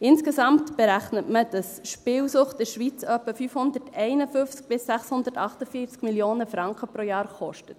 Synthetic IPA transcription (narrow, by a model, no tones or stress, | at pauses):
ɪnskesɑmtb̥ɛɾæχnətməd̥ɑsʃpɪːwsʊχtdɪɾʃʋiːt͡sœpːəfyfhʊnd̪ətɛɪnəfʏft͡sk̚b̥ɪsːæχshʊndərtɑχtəfiːt͡skmiljoːnəfɾɑŋkχəpɾojɑːɾχɔʃtət